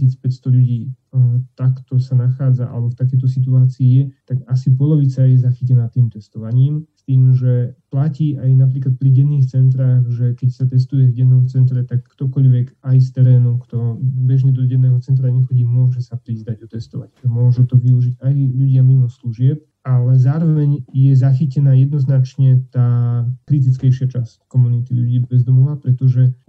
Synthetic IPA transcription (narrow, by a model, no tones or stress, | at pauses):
isit͡spɛcst̪ɔʎuɟiː | t̪akt̪ɔsanaxaːd͡zaʔa̰lɛbɔft̪ak̬ɛjt̪ɔs̬it̪̬uaːt͡siijɛt̪aɡasip̬ɔlɔʋit͡sajɛzaxicɛnaːt̪iːmt̪ɛst̪ɔʋaɲiːmst̪iːmʒɛplaciːʔajnap̬ɾiːklat̪̚pɾiɟɛnːiːxt͡sɛnt̪ɾaːɣʒɛkɛcsat̪ɛst̪ujɛvɟɛnːɔmt͡sɛnt̪ɾɛt̪akːt̪ɔkɔʎʋɛkajs̬t̪ɛɾɛːnɔʊkt̪ɔbɛʒɲɛd̪ɔɟɛnːɛːɦɔt͡sɛnt̪ɾaɲɛxɔɟiːmʊɔʒɛsapɾizd̪aɟɔt̪ɛst̪ɔʋa̰cmʊɔʒɛt̪ɔʋiuʒiɟajʎuɟɪamimɔsluʒɪɛp̚ | alɛzaːɾɔʋɛɲjɛzaxicɛnaːjɛd̪nɔznat͡ʃɲɛt̪aːkɾit̪̬it͡skɛjʃɪat͡ʃasckɔmunit̪iʎṵɟiːbɛzd̪ɔmɔʋapɾɛt̪ɔʒɛ